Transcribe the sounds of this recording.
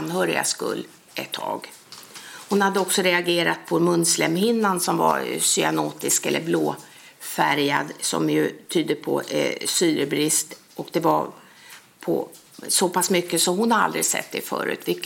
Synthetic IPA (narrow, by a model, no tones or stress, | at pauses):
nɦœːɾɪ̰ɡa̰skɵ̰lː | ʔɛt̪ʰːɑ̰ːɡ | hʊnhad̪ːəɔksɔɾɛaɡeːɾat̪̚pʰɔmɵnslɛmhɪnːansɔmva̰ɾsʏanoːt̪ɪskɛlːəɾbloː | fæɾjad̪sɔ̰mjɵt̪ʰyːd̪əpʰɔ̰syːɾəbɾɪst̪ | ʔɔkd̪ɛvaɾ | pʰɔ̰ | sɔpʰasmʏkːəsɔmhʊnhaɾa̰ld̪ɾɪɡsɛ̰t̪ːɛfœ̰ːɾʉ̟ːt̪vɪkː